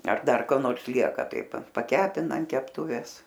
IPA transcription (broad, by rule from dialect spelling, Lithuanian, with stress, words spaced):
ɐr ˈdɐr koː ˈnoːrs ˈlʲiɛkɐ ˈtɐɪ pɐ pɐˈkʲæːpʲɪnɐ ɐn kʲɛpˈtuːʋʲeːs